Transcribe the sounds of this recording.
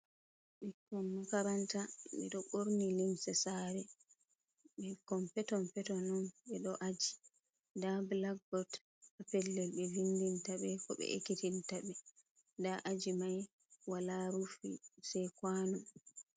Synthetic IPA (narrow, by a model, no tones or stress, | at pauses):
ɓɛkːɔmːakaɾantaɓɛ̰ɗɔɓoɾnilimsɛsaɾɛ | ɓɛkɔmpɛtɔnpɛtɔnɔnɓɛɗɔʔad͡ʒi | dablaɡ̚bɔt | apɛlːɛlɓɛvindintaɓɛkɔɓɛ̰ʔḛkitintabɛ | daʔad͡ʒimaj | walaɾufḭsɛjkwanum